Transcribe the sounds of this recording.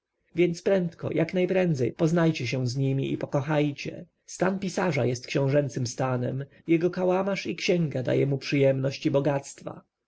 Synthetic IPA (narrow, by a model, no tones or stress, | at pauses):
vʲjɛnt̪spɾɛnt̪kɔ̰jʔaknajpɾɛnd̪zɛjpɔznajt͡ɕɛɕ̬ɛw̃zɲimʲiʔipɔkɔxajt͡ɕɛ̰ | st̪anpʲisaʐajɛst̪̚kɕɔ̃w̃ʐɛnt̪sɘmst̪anɛ̰m | jɛɡɔkawamaʂikɕɛ̃ŋɡad̪a̰jɛmupʂɘjɛmnɔɕt͡ɕibɔɡat̪st̪fa̰